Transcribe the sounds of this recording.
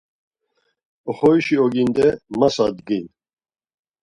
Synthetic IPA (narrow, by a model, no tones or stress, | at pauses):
ɔχɔiʃiɔɡind̪ɛmasad̪ɡin